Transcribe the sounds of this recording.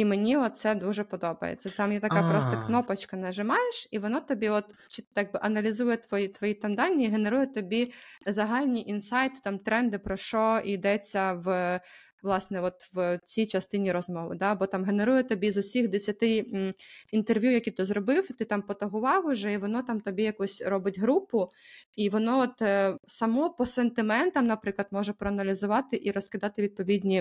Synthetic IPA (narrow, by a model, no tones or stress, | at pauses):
imenʲiɔt̪̚sɛd̪uʒɛpɔd̪ɔbɐ̰jḛt͡sʲːɐamjʲɛt̪ɐkɑpɾɔst̪ɔknɔpɐt͡ʃkɐnɐʒɪmɑjeʃiʋɔnɔt̪ɔbʲiɔt̪ | t͡ʃit̪jɑɡ̚bɪʔɐnɐlʲizujɛt̪ʋɔjit̪ʋɔjit̪ɑmd̪ɑnʲːɐiɦeneɾujɛt̪ɔbʲizɐɦɑlʲnʲiʔinsɑjt̪ɪ̥t̪ɑmt̪ɾɛnd̪ɪpɾɔʃɔʔid̪ɛt͡sʲːɐʋ | ʋlˠɑsnɛʋɔt̪ʋt͡sʲijt͡ʃɐst̪ɪnʲiɾɔzmɔʋɪ̰d̪ɑbɔt̪ɑmɦeneɾujʊt̪ɔbʲizʊsʲixd̪esʲɐt̪ɪ | int̪erʋʲjujɐkʲit̪ɔzrɔbɪwt̪ɪt̪ɑmpɔt̪ɐɦʊʋɑwʊʒɛiʋɔnɔt̪ɑmt̪ɔbʲijɐkusʲɾɔbɪtʲɦɾupʊiʋɔnɔɔt̪sɐmɔpɔsent̪ɪmɛnt̪ɐmnɐpɾɪklˠɐd̪mɔʒɛpɾɔɐnɐlʲizʊʋɑt̪ɪʔiɾɔskɪd̪ɑt̪ɪʋʲid̪̚pɔʋʲidʲnʲi